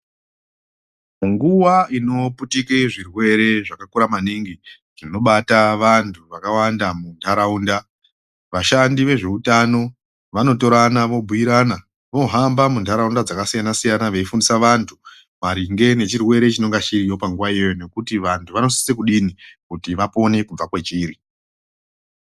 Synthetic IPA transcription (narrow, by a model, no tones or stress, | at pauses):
muŋɡuwaino̞putikeʐirwe̞ɾe̞ʐakakuɾamaniŋɡi | ʐino̞ɓataʋantʰuʋakawandamuntʰaɾauːnda | ʋaʃandiʋe̞ʐe̞utano̞ | ʋano̞to̞ɾanaʋo̞bʱujiɾana | ʋo̞ɦambamundʱaɾaundad͡zakasijanasijanaʋeifundisaʋantʰu | maɾiŋɡe̞ne̞t͡ʃirwe̞ɾe̞t͡ʃino̞ŋɡaʃiɾijo̞paŋɡuʋaijone̞kutiʋantʰuʋano̞si̥sekuɗinikutiʋapo̞ne̞kub͡vakwe̞t͡ʃiːɾi